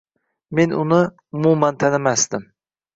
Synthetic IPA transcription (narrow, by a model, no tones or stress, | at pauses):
menunɨ | umumɛnt̪ʰɛnɪmæsd̪ɪm